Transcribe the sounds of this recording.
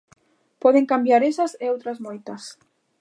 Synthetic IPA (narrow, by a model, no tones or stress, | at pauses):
pɔðeŋkambjaɾesɐseowt̪ɾɐzmojt̪ɐs